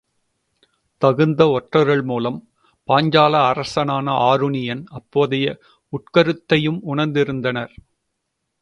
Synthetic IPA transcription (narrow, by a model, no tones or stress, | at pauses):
t̪ɐɣɯnd̪ɐɔʈrɐɾɣɐɭmuːlɐm | paːɲd͡ʒaːlɐːɾɐsɐnaːnɐʔaːɾʊɳɪjɐnɐpːoːðɪjɐ | ʊʈkɐɾɯt̪ːɐjɯmʊɳɐɾnd̪ɪɾɯnd̪ɐnɐɾ